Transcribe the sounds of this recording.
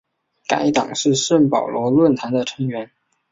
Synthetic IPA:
ka̰˧˥ɪt̪ɑ̰˨˩ŋʂɻ̩˥˧ʂə˥˩npɑ˨˩ʊlwɔ˧˥lwə˥˩nt̪ʰa˧˥nd̪ə˨ʈ͡ʂʰɤ˧˥ŋɥɛ˧˥n

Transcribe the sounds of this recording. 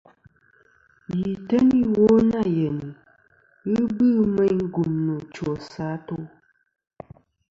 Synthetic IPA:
ji˨tə˦ni˦wo˦na˦˨jɛ˨ni˨ | ɣɨ˦bɨ˦˨mɛ˦ɲŋ˦ɡu˨mnu˨t͡ʃwɔ˨sa˨˦to˦

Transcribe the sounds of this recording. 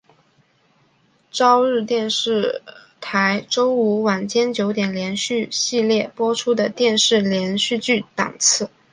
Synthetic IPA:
ʈ͡ʂɑ˥ʊɻɻ̩˥˧t̪jɛ˥˧nʂɻ̩˥˩ | t̪ʰa˧˥ɪʈ͡ʂo˥ʊu˧˥wa˨˩nt͡ɕjɛ˥nt͡ɕjo˧˥ʊt̪jɛ˨˩nljɛ˧˥nɕy˥˧ɕi˥˧ljɛ˥˩pwɔ˥ʈ͡ʂʰu˥d̪ə˨t̪jɛ˥˧nʂɻ̩˥˩ljɛ˧˥nɕy˥˧t͡ɕy˥˩t̪ɑ̰˨˩ŋt͡sʰɹ̩˥˩

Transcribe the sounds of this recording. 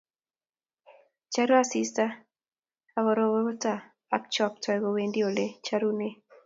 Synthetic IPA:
t͡ʃa˦ɾɔ˦a˦sista˦ | a˨wɔ˨ɾɔwɔ˦o˦ta˨ | a˨kt͡ʃɔ˨p̚tɔ˨ɡɔwendi˦o˨le˦t͡ʃaɾune˦

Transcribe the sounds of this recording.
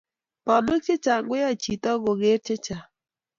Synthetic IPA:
pa˨nʊ˦k̚t͡ʃɪ˦t͡ʃa˨ɡwɪ˦ja˦t͡ʃi˨tɔ˦ɡo˨ɡe˦ɾt͡ʃɪ˦t͡ʃa˨

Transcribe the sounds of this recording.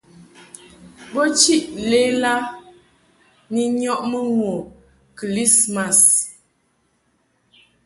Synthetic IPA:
bɔ˦t͡ʃi˦ʔle˦la˦ | ni˨ɲɔ˦ʔmə˦ŋwo˨ | kli˦sma˨s

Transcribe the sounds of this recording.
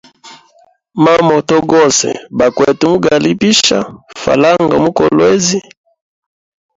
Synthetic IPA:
ma˦mɔ˨tɔ˦ɡɔ˦sɛ̰˨ba˨kwɛ˨tu˨mu˦ɡa˨li˦pi˦ʃa˦fa̰˨la˦ŋɡa˨mu˦kɔ˨lwe˦zi˦

